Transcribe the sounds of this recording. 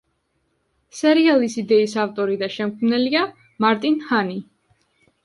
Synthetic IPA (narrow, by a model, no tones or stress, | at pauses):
sɛɾialisid̪ɛisaft̪ʼɔɾid̪aʃɛmkʰmnɛlia | maɾt̪ʼinhani